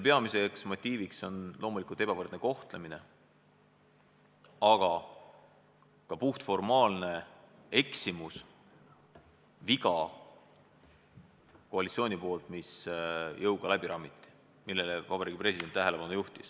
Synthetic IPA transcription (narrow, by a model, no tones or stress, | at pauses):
pe̞ɑmise̞ksmo̞t̪ʲːˑiːvikso̞nlo̞ːmulikult̪ebɑvɤrd̪neko̞ht̪le̞mine̞ | ɑɡ̥ɑ | kɑpuht̪fo̞rmɑːlne̞e̞ksimus | viɡɑ | ko̞ɑlʲit̪sioːnʲipo̞ːlt̪misjɤwɡ̥ɑlæb̥iɾɑːmːit̪ːˑi̥ | milːe̞levɑbɑɾiːɡ̥ipresid̪̥e̞nt̪ːæɦele̞pɑnujuht̪ḭs